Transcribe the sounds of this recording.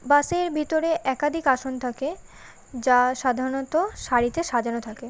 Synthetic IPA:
baseɾbʱit̪oɾeʔɛkad̪ʱikaʃont̪ʰake | d͡ʑaʃad̪ʱaɾonot̪oʃaɾit̪eʃad͡ʑanot̪ʰake

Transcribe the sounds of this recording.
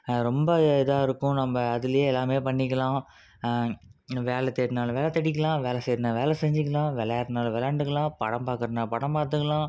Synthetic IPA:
ɾɔmbɐɪðaːɪɾɯkːʊ̃nɐmbɐɐðɪlɐjeːɛlːaːmeːpɐɳːɪkːɐlãː | ʋeːlɛt̪ɛɾnaːlʋeːlɛt̪ɛɽɪkːɐlãːʋeːlɐsɛːɾnãːʋeːlɛsɛɲd͡ʒɪkːɐlãːʋɛlɛjɾnaːlʋɛlɐːɳɖɯkːɐlãːpɐɽɐ̃mpaːɾkɯɾɐnaːpɐɽɐ̃mpaːɾt̪ːɯkːɐlãː

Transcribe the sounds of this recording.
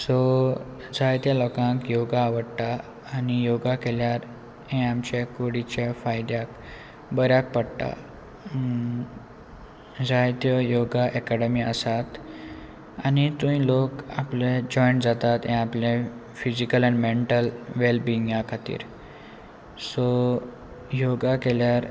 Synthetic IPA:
sɔ | d͡zajt̪jalɔkãkjoɡaːʋəɽt̪aː | nijoɡakeljaɾ | ɛ̃amt͡ɕekoɽit͡ɕafajd̪jak | bəɾjak̚pəɽt̪a̰ | d͡zajt̪jəjoɡaʔɛkɛɽəmiəsat̪ | anit̪ũĩlokapled͡ʑɔjɳʈd͡zat̪at̪ɛ̃aplẽ | fid͡ʑikəlænmeɳʈəlʋelbiŋɡjãkʰat̪ḭːɾ | sɔ | joɡakeljaɾ

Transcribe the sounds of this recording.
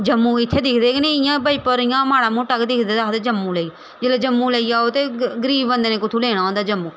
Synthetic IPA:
d͡ʒəmːũːɪt̪ʰːeːd̪ɪkʰd̪eːknẽɪjãːbəiːpəɾɪjãːmaːɽaːmũːʈəkd̪ɪkʰd̪eːd̪aːt̪eːd͡ʒəmːũːləiː | d͡ʒeːlad͡ʒəmːũːləiːaːot̪eːɡəɾiːʋbənd̪eːnẽːkʊt̪ʰuːleːɽ̃aːõːnd̪aːd͡ʒəmːuː

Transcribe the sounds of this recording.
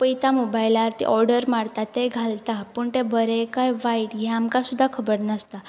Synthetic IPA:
pəjt̪amobajlaɾt̪ḭʔɔɾɖəɾmaɽt̪at̪eɡʱalt̪apəːɳt̪ebʱəɾekajʋaiʈɦɛamkasud̪ʱːakʰəbəɾnəst̪a

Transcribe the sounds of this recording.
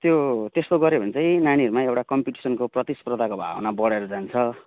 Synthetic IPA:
t̪jot̪est̪oɡʌɾebʱʌnt͡sʌj̃naniʌɾumaewʈakʌmpiʈi̥sʌnkoprʌt̪isprʌd̪ʱakobʱa̰wnabʌɽeɾʌd͡zant͡sʰʌ

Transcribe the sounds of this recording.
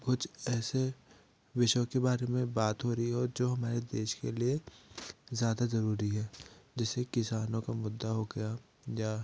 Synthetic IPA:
kʊt͡ʃʰɛːse | ʋɪʃkebaːɾemẽbaːt̪ɦoɾɐɦiɦod͡ʒoːɦɐmaːɾed̪eːʃkelie | zjaːd̪azɐɾuːɾiɦɛːd͡ʒɛːsekɪsaːnõkamʊd̪ːaɦoɡɐjaː | jaː

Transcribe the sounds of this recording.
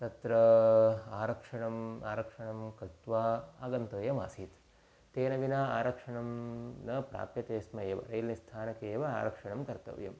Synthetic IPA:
t̪ɐt̪ɾɐ | aːɾɐkʂɐɳɐma̰ːɾɐkʂɐɳɐmkɐt̪ʋaːaːɡɐnt̪ɐːjɐma̰ːsiːt̪ | t̪eːnɐʋinaaːɾɐkʂɐɳɐmnɐpɾa̰ːpjɐt̪eːsmɐeːʋɐ̰ɾɐjlnist̪ʰaːnɐkeːʋɐa̰ːɾɐkʂɐɳɐmkɐɾt̪ɐ̰ʋjɐ̰m

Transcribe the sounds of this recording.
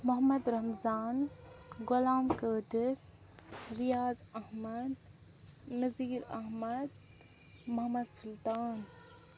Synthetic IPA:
mɐɦmɐd̪ɾɐmzaːn | ɡʊlaːmkəːd̪ɪɾ | ɾijaːzɐɦmɐd̪ | nɐziːɾɐ̰ɦmɐd̪ | mɐɦmɐd̪sult̪aːn

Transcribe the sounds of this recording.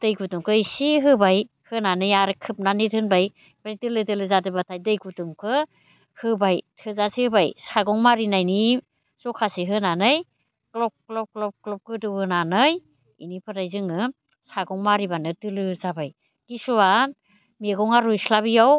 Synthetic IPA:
d̥ɯjɡutuŋkʰɯisiɦɯbaj | hɯnanɯjaɾɯkʰɯp̚nanitʰɯnbaj | baitɯlɯdɯlɯzadɯbatʰajdɯjɡutɯŋkʰɯ | hɯbajtʰɯzasihɯbajsaɡɔŋmaɾinajni | sɔkʰasiɦɯnanɯj | klɔp̚klɔp̚klɔp̚klɔp̚kɯdɯɯnanɯj | ḭnipʰɯɾajzɯŋɯ | saɡɔŋmaɾibanɯdɯlɯzabaj | kisuwa | meɡɔŋaɾujslaβijaw

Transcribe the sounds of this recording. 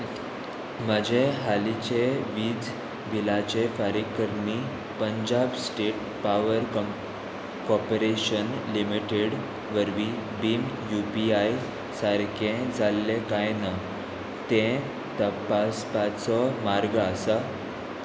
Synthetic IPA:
məd͡ʑeɦalit͡ɕeʋiːd͡z | ʋilat͡ɕefaɾikːəɾni | pəɲd͡ʑabsʈeʈ̚ | paʋəɾ | kɔpɾeɕənlimiʈeɽ | ʋəɾʋi | bim | jupiaj | səɾkʰẽd͡zalːekajna | t̪ẽ | t̪əpaspat͡sɔmaɾɡəsa

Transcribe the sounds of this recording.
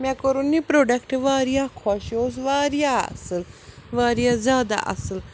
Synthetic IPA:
mãkoɾunipɾoːɖɐkʈʋaːɾijakʰɔʃoːsʋaːɾijaɐ̰sɨlʋaːɾjazʲjaːd̪a̰ʔɐ̰sɨl

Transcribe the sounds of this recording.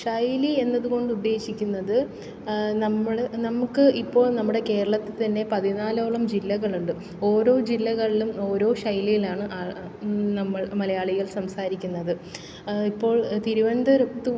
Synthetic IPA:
ʂɐjlie̞nːɐðuɣo̞ɳɖud̪ːe̞ːɕikʲːunːɐðɨ | nɐmːɐɽenɐmukːɨipːo̞ːɭnɐmːuɽe̞ke̞ːɾɐɭɐt̪ːɨt̪ɐnːe̞pɐðinaːlo̞ːɭɐmd͡ʑilːɐɣɐɭuɳɖɨ | o̞ːɾo̞ːd͡ʑilːɐɣɐɭilumo̞ːɾo̞ːʂɐjlijilaːɳɨʔa | nɐmːɐɭmɐlɐjaːɭiɣɐɭsɐmsaːɾikʲːunːɐðɨ | ipːo̞ːɭt̪iɾuʋɐnd̪ɐɾɐt̪ːu

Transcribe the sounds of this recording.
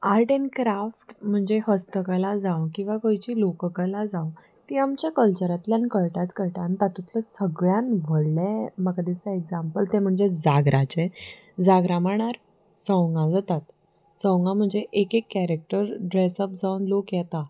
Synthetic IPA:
aɾʈenkɾafʈm̤əɳd͡zeɦəst̪əkalad͡zawkĩw̃ʋakojt͡ɕiːlokəkəlad͡zaw | t̪iamt͡ɕjakəlt͡ɕəɾat̪ljanikəɭʈat͡skəɾʈant̪at̪ũt̪ləsəɡɭjanʋəɽleməkad̪isaeɡd͡zampəlt̪ẽm̤əɳd͡zed͡zaɡɾʔat͡ɕe | d͡zaɡɾamaɳ̃aɾ | sɔ̃wŋɡãd͡zat̪at̪ | sɔ̃wŋɡãm̤əɳd͡zeʔekekːæɾek̚ʈəɾɖɾesəp̚d͡zaunlokjɛt̪a

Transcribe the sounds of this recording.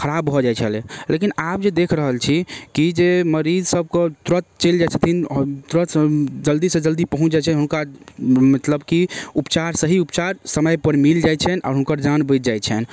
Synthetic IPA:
kʰəɾabɦɔd͡ʒajt͡ʃʰəlelʔekinapd͡ʒed̪ekʰɾəɦəlt͡ʃʰikid͡ʒeməɾid͡ʒsəb̚kət̪ɾət̪̚t͡ʃeld͡ʒat͡ʃʰət̪ʰint̪ɾət̪ʰd͡ʒəld̪isə̃d͡ʒəld̪ipəɦũt͡ʃʰd͡ʒat͡ʃʰɛɦunkamət̪ləbkiupt͡ʃaɾsəɦiupt͡ʃaɾsəməjpəɾmild͡ʒajt͡ʃʰɛnɔ̰ɾɦunkəɾd͡ʒanbət̪̚d͡ʒajt͡ʃʰɛn

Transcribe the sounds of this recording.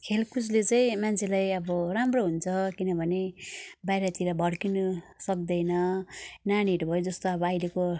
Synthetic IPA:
kʰelkuslet͡saĩmant͡sʰelajʌbʌramroɦunt͡sʰʌkinʌbʱʌnebajɾat̪iɾʌbʱʌɽkinʌsʌk̚d̪ʌjnʌnañiʈbʱʌjod͡zʌst̪oʌbʌajleko

